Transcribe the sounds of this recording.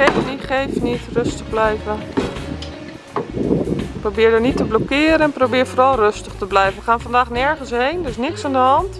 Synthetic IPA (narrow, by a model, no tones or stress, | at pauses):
ejfniχejfnitrʏstəχblɛjvə | probɪːɹdənitəblɔkɪːɾəɛnprowbɪːɹvoːrɑlˠrɵstəχtəblɛjfəʋəχaːnvɑndaːχnɛɹχənsɦejndəɹɪs̬nɪksandəɦɑnt